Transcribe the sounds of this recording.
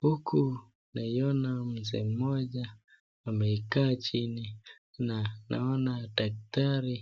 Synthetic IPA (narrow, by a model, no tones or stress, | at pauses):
hukʰu | naijɔnam̩zɛ̰m̩mɔʄa | amɛikaːt͡ʃini | nanʔa̰ɔnadak̚taɾi